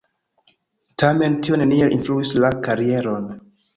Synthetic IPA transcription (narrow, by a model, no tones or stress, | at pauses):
tame̞ntio̞nenielʔḭnfluislakaɾie̞ɾo̞n